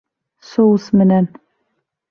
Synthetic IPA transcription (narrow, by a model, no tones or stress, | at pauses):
sowsmɘnæn